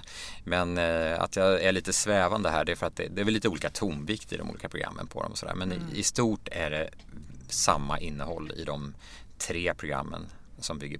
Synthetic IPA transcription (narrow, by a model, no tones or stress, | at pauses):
mɛna̰t̪jɑæɭiːt̪əsvɛːvand̪əɦæːɖɛæfœɾat̪̚d̪ɛd̪ɛɾvɛllːiːt̪əuːliːkat̪ʰumvɪkt̪ɪd̪ɔ̰mṵːliːkapɾʊɡɾa̰mːə̰npʰɔd̪ɔ̰mɔsɔd̪æ̰ːɾmɛnɪst̪uːʈæɖɛ | samːaʔɪnːəhɔlːɪ̰d̪ɔm | t̪ʰɾeːpʰɾʊɡɾa̰mːə̰n | sɔmbʏɡːə